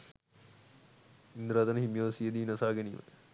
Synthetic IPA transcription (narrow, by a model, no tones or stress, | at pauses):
ind̪ɾaːt̪ɐnɐhimjoːsijɐd̪iːnɐsaːɡɐnḭʋɐ̰